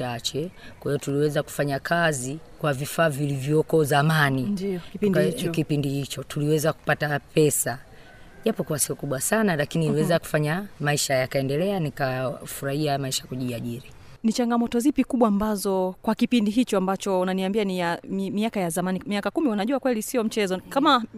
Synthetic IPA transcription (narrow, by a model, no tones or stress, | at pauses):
at͡ʃɛkwahijɔtuliwɛzaku̥faɲakʰazikwavifaːvilivjɔkɔzamani | kipindihit͡ʃɔtuliwɛzaku̥patapɛsa | ʄapɔkuasiɔkuɓwasanalakiniliwɛzaku̥faɲamaiʃajakaɛndɛlɛanikafuɾahiamaiʃḁkuʄiaʄiɾi | nit͡ʃaŋɡamɔtɔzipikuɓwaːmbazɔkwakipindiɦit͡ʃɔambat͡ʃɔunaniambianiammiakajazamanimiakakumiunaʄuakwɛlisiɔm̩t͡ʃɛzɔkama